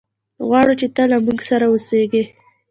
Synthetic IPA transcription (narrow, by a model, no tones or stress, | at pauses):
ɣwɑɽut͡ʃet̪alamuɡsaɾawoseɡe